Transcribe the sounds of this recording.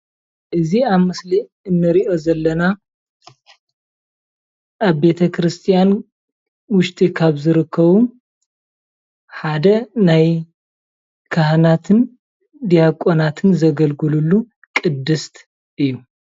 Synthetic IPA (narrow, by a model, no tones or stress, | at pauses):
ʔɨziaβmɨsli | ɨnːɨɾiʔo̞zɐlːɐna | ʔaβbe̞t̪ʰɐkʰɾɨst̪ʰʼijan | wʊʃt̪ʼikʰaβzɨɾɨkʰːɐβu | ħad̪ɐnaj | kʰahnat̪ʰɨn | d̪ijakʼonat̪ʰɨnzɐɡɐlɡɨlulːu | kʼɨd̪ːɨst̪ʰʼ | ɨjːu